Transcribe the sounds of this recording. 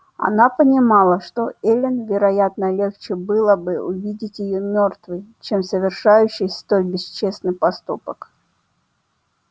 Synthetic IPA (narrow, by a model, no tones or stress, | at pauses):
ɐ̰napənʲɪmalˠəʂt̪o̞elʲɪnvʲɪɾɐjat̪nəlʲe̞xt͡ɕɪbɨlˠəbɨʊvʲidʲɪtʲjɪjomʲo̞rt̪vɨjt͡ɕemsəvʲɪrʂajʉɕːɪjst̪o̞lʲbʲɪst͡ɕe̞snɨjpɐst̪upək